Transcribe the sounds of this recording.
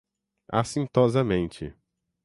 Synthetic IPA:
a̰sĩnt̪ɔzɐmẽnt͡ʃɪ̰

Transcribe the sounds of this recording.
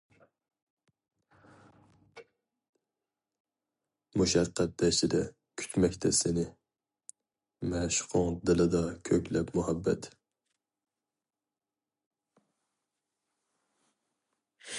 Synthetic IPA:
muʃɑqʰːæt̪̚d̪ɛʃɪd̪ɛ | kʲʰy̥t̪ʰmɛkʲt̪ʰɛsɪnɪ | mɛʃqʰʊŋd̪ɪlˠɨd̪ɑkʲʰøkʲlɛpmuhɛbːɛ̰t̪

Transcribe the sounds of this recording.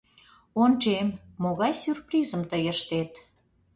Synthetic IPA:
ont͡ʃemːoɣɑjsʲyrprizəmt̪əjəʃt̪et̪

